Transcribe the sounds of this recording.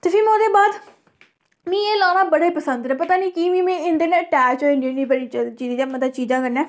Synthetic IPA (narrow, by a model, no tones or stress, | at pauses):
t̪eːfʰɪɾmõːd̪eːbaːd̪ | mĩːeːlaːnaːbəɽaːiːpəsənd̪ɾɛ̃ːpət̪aːnĩːkiʋĩːmẽːɪ̃nd̪eːnẽːəʈɛːt͡ʃɦoĩndiniːbəɽiːt͡ʃiːd̪ːamət̪ət͡ʃiːzãːkəɾnɛ̃ː